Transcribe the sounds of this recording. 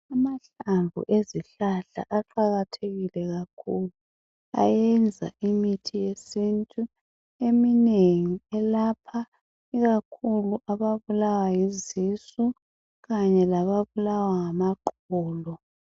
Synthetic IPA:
amaɬaɱbʱṵʔeziɬaɬa̰ʔaǃaɣatʰeɣilɛɣakʰulu | a̰jɛnd͡zʱa̰imitʰijesintʼu | emineŋiɛlapʰa | iɣakʰuluʔaβaβulawajizisu | ɣaɲɛlaβaβulawaŋamaǃ | ɔːlɔ

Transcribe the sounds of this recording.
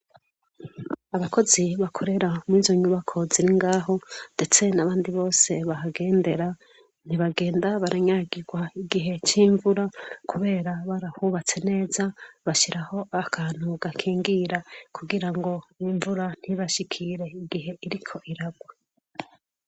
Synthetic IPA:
aβako̞ziβakʰo̞ɾe̞ɾamŋiːzo̞ɲuβakʰo̞ziɾiŋɡaːɦo̞nde̞t͡se̞naβaːndiβo̞ːse̞βahaɡe̞ːnde̞ɾa | n̥iβaɡe̞ːndaβaɾʔaɲaɡiɡwaiɡiɦe̞t͡ʃiːɱvuɾakʰuβe̞ːɾaβaɾahuβat͡se̞ne̞ːzaβaʃiɾaho̞akʰaːn̥huɡakʰiːŋɡiɾakʰuɡiɾaŋɡo̞iɱvuɾan̥hiβaʃikʰiɾe̞iɡiɦe̞iɾikʰo̞ʔiɾaɡwe

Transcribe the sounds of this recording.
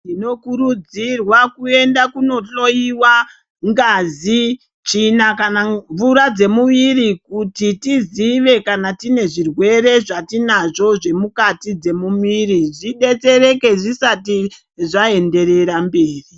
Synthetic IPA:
tino̞kuɾud͡zirwakue̞ndakuno̞to̞iwa | ŋɡazi | t͡ʃinakanaɱvuɾad͡ze̞muʋirikutitiziʋe̞kanatine̞ʐirwe̞ɾe̞ʐatinaʐo̞ʐe̞mukatid͡ze̞mumiɾiʐiɗe̞t͡se̞ɾe̞ke̞ʐisati | ʐae̞nde̞ɾe̞ɾambeːri

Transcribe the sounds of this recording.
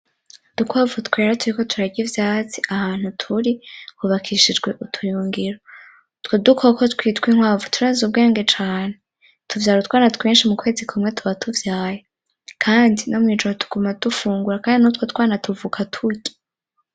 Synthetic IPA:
d̥ukwavutkwe̞ɾatuɾiko̞tuɾaɟivjaːt͡si̥ʔahaːn̥hutʰuɾikuβakʰiʃid͡ʒɡwe̞ʔutʰujuːŋɡiɾo | tkodukʰokotkwiːtkwiŋhwaːvutʰuɾaːzub̚ɡe̞ːŋɡe̞t͡ʃaːne | tuvjaːɾutkwaːnatkweːnʃimukwe̞ːzikʰumŋe̞tʰuβatʰuvjaːje | kʰaːndino̞muŋiːd͡ʒoɾotʰu̥ɡ̥umad̥ufuːŋɡuɾakaːndinutkotwaːnatuvukʰatʰuɟi̥

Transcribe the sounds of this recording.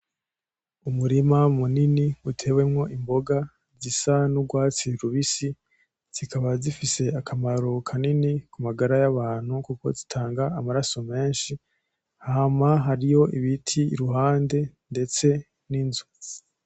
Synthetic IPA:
umuɾimamuniniutʰe̞ːwe̞mŋo̞ʔimbo̞ɡa | zisanuɡwaːt͡siɾuβisi | z̥ikaβazifise̞akʰamaɾo̞kʰaninikumaɡaɾajaβaːn̥hukuko̞̰zitʰaːŋɡaːmaɾaso̞me̞ːnʃi | haɦamaɦaɾijo̞iβitʰḭːɾuɦaːnde̞nde̞t͡se̞ | ninzu

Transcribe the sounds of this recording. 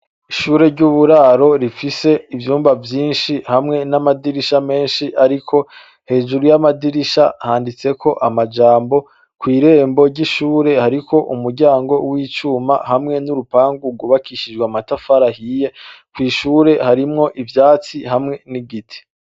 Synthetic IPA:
iʃuːɾe̞ɾɟuβuɾaɾo̞ɾifise̞ivjuːmvavjiːnʃihamŋe̞namadiɾiʃame̞ːnʃiʔaɾikʰo̞ | he̞ːd͡ʒuɾujamadiɾiʃahaːndit͡se̞kʰo̞ʔamad͡ʒaːmbo̞ | kwiːɾe̞ːmbo̞ɾɟiʃuːɾe̞haɾikʰo̞ʔumuɾɟaːŋɡo̞wiːt͡ʃuma̰ɦamŋe̞nuɾupaːŋɡuɡuβakiʃid͡ʒɡwamatafaɾahije̞kwiːʃuːɾe̞haɾimŋo̞ʔivjaːt͡siɦamŋe̞niɡitʰi̥

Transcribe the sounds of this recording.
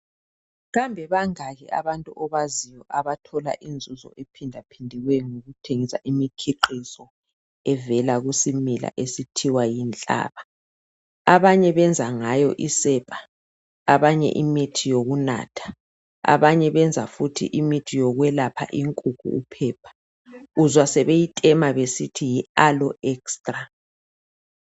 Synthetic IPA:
ɣambʱɛβaŋaɣɛ̰ʔa̰βantʼuʔɔβazijɔʔaβatʰɔla̰ʔind͡zʱuzɔ̰ʔepʰindʱapʰindʱiɣwɛŋoɣutʰeŋisa̰ʔimikʰiǃisɔ | ɛvɛlaɣusimila̰ʔesitʰiwajint͡ɬʼa̰ːβa | aβaɲɛβɛnd͡zʱaŋajɔʔisɛpʼḁ | a̰βaɲɛ̰ʔimitʰijoɣuna̰ːtʰḁ | a̰βaɲɛβɛnd͡zʱafutʰḭʔimitʰijɔɣwɛlapʰa̰ʔiŋkʼukʰʼṵːpʰɛːpʰḁ | uzwasɛβejitʼɛmaβesitʰijialɔɛkstʼra

